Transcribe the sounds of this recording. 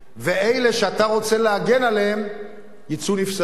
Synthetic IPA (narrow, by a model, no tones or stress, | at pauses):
ve̞ejle̞ʃeat̪aʁo̞t͡se̞leaɡe̞naleem | jit͡sunifsa